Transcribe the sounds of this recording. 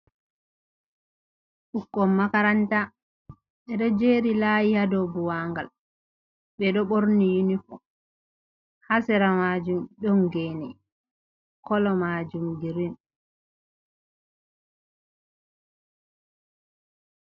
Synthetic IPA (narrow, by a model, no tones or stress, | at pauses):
ʔukːɔmːakaɾanta | ɓɛɗɔd͡ʒeɾilajihadɔbuwaŋɡa̰l | ɓɛɗɔɓoɾnijinifɔ | hasɛɾamad͡ʒumɗɔŋɡɛːnɛ | kɔlɔmaːd͡ʒumdiɾin